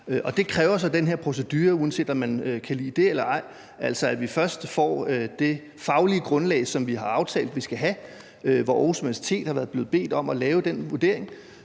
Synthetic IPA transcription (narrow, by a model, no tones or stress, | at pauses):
ʔɒ̽d̥e̝kʰʁɛːʊɐsɒ̽d̥enɦeɐ̰pʰʁo̝s̬ed̥yːɐuðˠənse̝̰ːd̥ɒmːænøkʰælḭːd̥e̝elɐɑ̈ɪ̰ | ʔæl̰sɒ̽æd̥ʋifɶɐsd̥fɒ̰ːød̥e̝ | fɑ̈ʊliəɡ̥ʁɔ̽nlɛ̰ɪsɒ̽mʋiɦɑ̈ɑ̈ʊt͡sʰɛ̰ːld̥ʋisɡ̥æɦæ | ʋɒʔɒsmiʋæsi̥t͡sʰe̝̰ːd̥hɑ̈ʋæɐðˠb̥le̝ːð̩ˠb̥e̝̰ːd̥ɒ̽mɒlɛːʊəd̥enʋuɐde̝ɐ̰eŋ